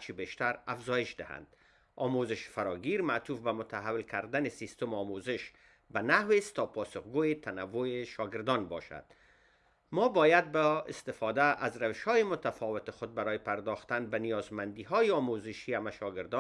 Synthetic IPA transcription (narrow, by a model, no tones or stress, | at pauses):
aɾt͡ʃʰibeʃt̪aɾafzɔjɪʃd̪ɪha̰nd̪̥ | ɒmozɪʃfaɾɒɡiɾmat̪ufbamʊt̪aɦawɪlkʰaɾd̪anɪsist̪ʊmɒmozɪʃ | banahwest̪ːɒpɒsʊxɡojet̪ʰanawːojeʃɒɡɪɾd̪ɒnbɒʃa̰d̪̥̚ | mɒbɒjad̪̚baɪ̰st̪ɪfɔd̪aʔazɾawɪʃhɔjɪmʊt̪afɒwɪt̪ɪxʊd̪̚baɾɔjɪpaɾd̪ɔxt̪anbanijɒzmand̪iɦɔjeɒmozɪʃiamaʃɒɡɪɾd̪ɔ